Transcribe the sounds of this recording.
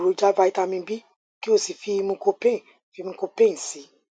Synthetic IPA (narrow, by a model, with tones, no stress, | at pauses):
ɾo˨˧d͡ʒa˦va˧i˦ta˧mĩ˧bi˦ | ki˦o˦˨si˨fi˧mũ˧ko˧pẽ˦˨ | fi˧mũ˧ko˧pẽ˦˨si˨˦